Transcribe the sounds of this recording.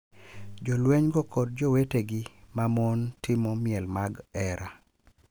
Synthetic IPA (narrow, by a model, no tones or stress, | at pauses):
d͡ʒɔlweɲɡɔkɔd̚d͡ʒɔweteɡɪmamɔntɪmɔmɪjɛlmaɡɛɾa